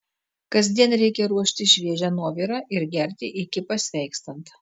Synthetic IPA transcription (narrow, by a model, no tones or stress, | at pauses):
kɐzʲd̪ʲiɛnɾʲɛɪkʲɛɾuɔʃʲt̪ʲɪʃʲʋʲiɛʒʲænuɔʋʲiːɾɑːʔɪɾɡʲɛɾʲt̪ʲɪʔɪkʲɪpɐsʲʋʲɛɪkst̪ɐnt̪